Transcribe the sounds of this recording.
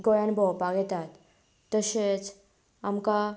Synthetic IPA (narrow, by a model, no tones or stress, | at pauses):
ɡɔjanbɔpaɡɛt̪at̪ː | əɕet͡s | amka